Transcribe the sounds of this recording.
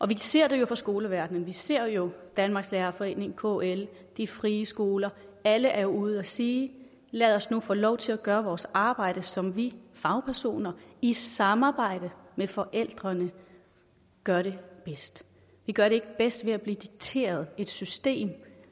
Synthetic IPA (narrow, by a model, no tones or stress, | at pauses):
ʔɒ̽ʋise̝ɐ̰d̥e̝jo̝fɒ̽sɡ̥o̝ːləʋæɐd̥nən̩ʋise̝ɐ̰jo̝d̥ænmɑ̈ːɡ̥slæːɐfɒ̽e̝̰ːne̝ŋ̩kʰoel | d̥ifʁiːəsɡ̥o̝ːlɐæləʔæɐjo̝uð̞̩ˠæsiː | læðˠɒ̽snufɔ̰ːlɒʊt͡sʰe̝læɡ̥ɶːɐʋɒːsɑ̈ːb̥ɑ̈ɪ̰ɾ̥əsɒ̽mʋifɑ̈ʊpʰæɐso̝̰ːnɐisɑ̈mɑ̈ːb̥ɑ̈ɪ̰ɾ̥əmefɒ̽ʔel̰d̥ʁɐnə | ɡ̥ɶɐɾe̝b̥esd̥ | ʋiɡ̥ɶɐɾe̝e̝ɡ̥əb̥esd̥ʋe̝æb̥liːd̥iɡ̥̚t͡sʰe̝̰ːɐð̩ˠe̝d̥sysd̥e̝̰ːm